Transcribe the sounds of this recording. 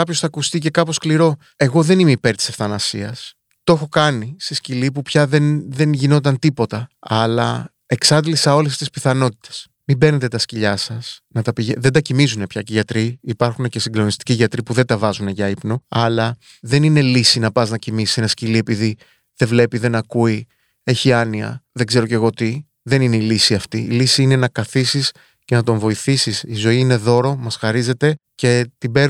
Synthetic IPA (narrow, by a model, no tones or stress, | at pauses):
kɐpço̞sθɐːkust̪ice̞kɐpo̞skliɾo̞ | e̞ɣo̞ðe̞nimeipe̞ɾt̪i̥se̞fθɐnɐsiɐs | t̪oexo̞kɐnist̪iscilipupçɐðe̞nðe̞nʝino̞t̪ɐnt̪ipo̞t̪ɐɐlɐ̰ | e̞ksɐnd̪lisɐo̞lest̪ispiθɐno̞t̪i̥t̪e̥s | mibeɾne̞t̪e̞t̪ɐsciʎɐsɐsnɐt̪ɐpiʝeðend̪ɐcimizune̞pçɐceʝɐt̪ɾiipɐɾxune̞ce̞siŋɡlo̞nist̪i̥ciʝɐt̪ɾipuðed̪ɐvɐzune̞ʝɐipnoɐlɐ | ðe̞nine̞lisinɐpɐznɐcimisise̞nɐscilie̞piði | ðe̞vle̞piðe̞nɐkui | e̞çiɐniɐ̰ðe̞ɡze̞ɾo̞ce̞ɣo̞t̪i | ðe̞nine̞ilisiɐft̪ḭːlisiine̞nɐkɐθisis | ce̞nɐt̪o̞ɱvo̞iθisisizo̞iine̞ðo̞ɾo̞mɐsxɐɾize̞t̪e̞ | ce̞t̪ibe̞ɾ